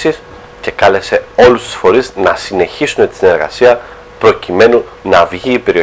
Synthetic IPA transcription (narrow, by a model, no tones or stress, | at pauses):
sis | ce̞kɐle̞se̞o̞lust̪u̥sfo̞ɾiznɐsine̞çisune̞t̪i̥sine̞ɾɣɐ̰siɐ | pɾo̞cime̞nu | nɐvʝiːpe̞ɾio